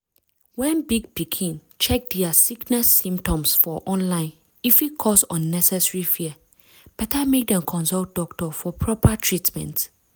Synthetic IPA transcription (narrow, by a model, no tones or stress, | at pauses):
wɛ̃nbiɡ̚pikʰĩn | t͡ʃʰɛk̚dɛasiknɛsːĩmptʰɔ̃msfɔʔɔ̃nlãɪ̃n | ifikʰɔsɔ̃nːɛsɛsɹifiə | b̥ɛtʰamek̚dɛ̃mkʰɔ̃nsɔlt̚d̥ɔktɔfɔpʰɹɔpʰatʰɹitmɛ̰̃nt